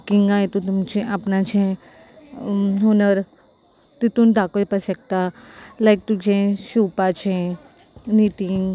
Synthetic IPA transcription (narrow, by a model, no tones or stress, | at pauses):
kiŋɡãjt̪ũt̪umt͡ʃʰẽʔapnat͡ʃʰẽ | ɦonəɾ | t̪it̪und̪akopəsək̚t̪alajk̚t̪ut͡ʃʰẽʃuːpat͡ʃʰẽ | nit̪iŋ